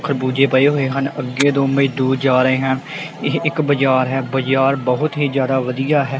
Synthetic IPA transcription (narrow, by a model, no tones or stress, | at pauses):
kʰəɾbuːd͡ʒeːpəeːɦoːeːɦənəɡːeːd̪oːməiːd̪uːɾd͡ʒaːɾəeːɦəneɪkbəd͡ʒaːɾɦɛːbəd͡ʒaːɾbəɦʊt̪ɦiːd͡ʒjaːd̪aːʋəd̪ijaːɦɛː